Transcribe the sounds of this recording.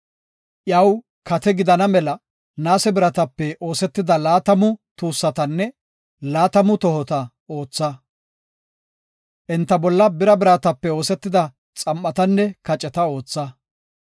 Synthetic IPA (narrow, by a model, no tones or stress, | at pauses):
ʔjɐw | kɐt̪ɛɡɪd̪ɐnɐmɛlɐ | naːsɛbɪɾɐt̪ɐpːɛo̞ːsɛt̪ːɪd̪ɐlaːt̪ɐmʊt̪uːsːɐt̪ɐnːɛ | laːt̪ɐmʊt̪ɔhɔt̪ɐ | o̞ːt͡sːɐ | ʔɪnt̪ːɐbɔlːɐbɪɾɐbɪɾɐt̪ɐpːɛo̞ːsɛt̪ːɪd̪ɐ | t͡sʼɐmːɐt̪ɐnːɛkɐt͡ʃʼɛt̪ɐo̞ːt͡sːɐ